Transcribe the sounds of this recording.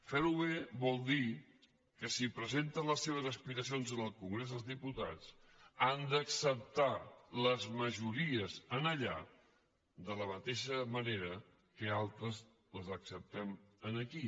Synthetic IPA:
fɛɾuβeβɔlˠd̪i | kəsipɾəzent̪ənləsːeβ̞əzəspiɾəsionzənəlˠkuŋɡɾezəlˠzðiput̪a̰t͡sand̪əksəp̚t̪aləzməʒuɾiəzənəʎa̰ | d̪ələmət̪eʃəməneɾə | kəalˠt̪ɾəz | ləzəksəp̚t̪ɛmənəki

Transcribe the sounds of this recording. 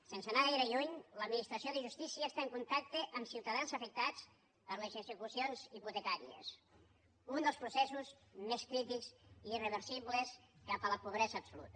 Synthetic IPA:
sensənaɣajɾəʎuɲləd̪minist̪ɾəsioðəʒust̪isiəːst̪aəŋkunt̪ak̚t̪eʔəmsiwt̪əðansəfək̚t̪at͡s | pəɾlezəzəkusionziput̪ekaɾiḛs | und̪əlˠspɾusɛsuzmeskɾit̪ikziirəβ̞əɾsiβləskapələpuβ̞ɾɛzəːpsulṵt̪ə

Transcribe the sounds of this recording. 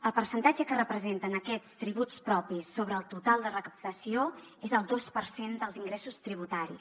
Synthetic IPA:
əlˠpəɾsənt̪ad͡ʒəkərəpɾəzent̪ənəkɛt͡st̪ɾiβut͡spɾɔpisːoβɾəːlˠt̪ut̪alˠd̪ərəkəp̚t̪əsio | ezəlˠd̪ospəɾsend̪əlˠziŋɡɾesust̪ɾiβ̞ut̪aɾis

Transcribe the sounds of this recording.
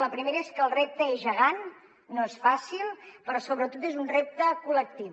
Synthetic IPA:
ləpɾimeɾəeskəːlˠrep̚t̪əezʒəɣanː | oesfasilˠpəɾɔsoβɾət̪ot̪ezunrep̚t̪əkulək̚t̪i

